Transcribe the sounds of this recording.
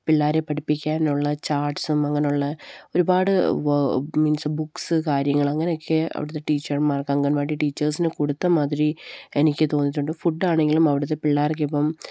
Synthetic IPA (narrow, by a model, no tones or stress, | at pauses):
piɭːaːɾepɐʈipːikʲːaːnuɭːɐt͡ɕaːrʈsumɐŋːɐne̞juɭːɐo̞ɾubaːɽɨ | miːnsbuksɨkaːɾjɐŋːɐɭɐŋːɐneo̞kʰːeɐ̰ʋḭɽɐt̪ːeʈiːt͡ɕːɐrmaːrkɐŋɡɐnmaːʈiʈiːt͡ɕːɐrsinɨkuɽut̪ːɐmaːðɾie̞nikʲːɨt̪o̞ːnːitʈːuɳɖɨfuɖːaːɳe̞ŋɡilumɐʋiɽɐt̪ːe̞piɭːaːrk̬ːepːɐm